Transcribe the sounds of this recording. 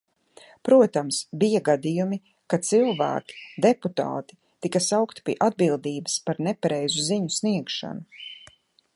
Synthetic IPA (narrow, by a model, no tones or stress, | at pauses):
pɾuɔt̪amsbijaɡad̪ijumi | kat̪silˠvæ̰ːkʲi̥d̪eput̪a̰ːt̪i̥ | t̪ikɐsawkt̪i̥piɛʔad̪̚bilˠd̪iːbəspaɾnɛpaɾɛjzuziɲusniɛkʃa̰nu